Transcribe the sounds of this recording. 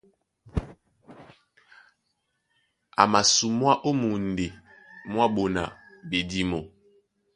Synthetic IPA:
a˨ma˨su˨mwa˦ʔo˦mu˨n˨de˨mwa˦ɓo˨na̰˨be˨di˦mo˨

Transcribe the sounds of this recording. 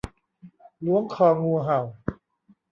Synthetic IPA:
lu˦˥əŋkʰɔː˧ŋuː˧ɦa˨˩w

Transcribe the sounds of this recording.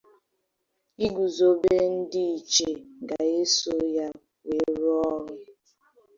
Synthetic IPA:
i˦ɡu˨zo˦be˦n̩˦dɪ˦i˨t͡ʃe˨ɡa˨e˦so˦ja˦ | we˨˦ɾʊ˦ɔ˦ɣɪ˦

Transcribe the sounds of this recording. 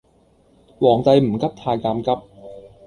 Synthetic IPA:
wɔː˨˩ŋt̪a˧jm̩˨˩˦ka˦˥p̚t̪ʰaː˧jkaː˧mka˦˥p̚

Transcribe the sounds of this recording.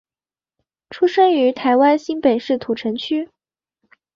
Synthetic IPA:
ʈ͡ʂʰu˥ʂə˥ŋy˧˥t̪ʰa˧˥ɪwa˥nɕi˥npe˨˩ɪʂɻ̩˥˩t̪ʰu˨˩ʈ͡ʂʰə˧˥ŋt͡ɕʰy˥

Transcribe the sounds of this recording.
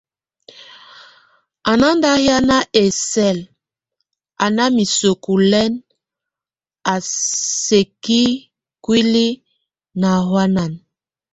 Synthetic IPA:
a˨na˦nda˦hja˦na˦ʔe˨sɛ˦˨l | a˨na˦mi˨so˨ku˨lɛ˦n | a˨se˨ki˦ | kwi˦li˦ | na˨ɦwa˦na˨n

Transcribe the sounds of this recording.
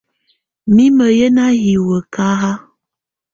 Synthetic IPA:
mi˦mə˨jə˦na˦ɦi˨wə˨ka˦ɦa˦

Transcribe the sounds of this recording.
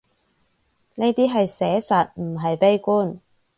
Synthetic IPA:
ne˥jt̪iː˥ɦɐ˨jsɛː˨˥sɐ˨t̚m̩˨˩ɦɐ˨jpe˥jkuː˥˩n

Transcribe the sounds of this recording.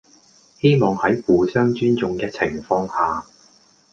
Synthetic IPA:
he˥jmɔː˨ŋhɐ˨˥jfuː˨˩sœː˥ŋt͡ʃyː˥nt͡sʊ˨ŋkɛː˧t͡sʰɪ˨˩ŋfɔː˧ŋhaː˨

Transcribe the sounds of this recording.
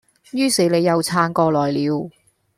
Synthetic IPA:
jyː˥se˨˧˥le˨˧jːɐ˨˧wt͡sʰaː˧ŋkɔː˧lɔː˨˩jliː˨˧w

